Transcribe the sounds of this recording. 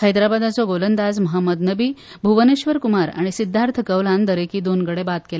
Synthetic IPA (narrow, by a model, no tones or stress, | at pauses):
həjd̪ɾabad̪at͡sɔɡolənd̪ad͡zməɦəmːəd̪nəbiː | bʱuʋəneɕʋəɾkumaɾa̰ɽ̃isid̪ʱːaɾt̪ʰəkəʋlãnd̪əɾekiːd̪onɡəɽebat̪̚kela